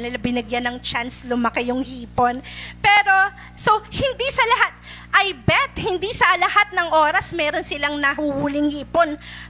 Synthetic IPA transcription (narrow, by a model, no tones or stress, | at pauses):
nɪlabɪnɪɡjanɐŋt͡ʃanslʊmɐkɛjʊŋhiːpo̞npɛːɾo̞ | so̞hɪnd̪isɐlɐhat̪̚ | ʔɐjbɛt̪hɪnd̪isɐlɐhat̪̚nɐŋʔo̞ːɾɐsmɛːɾo̞nsɪlaŋnɐhuhuːlɪŋhiːpo̞n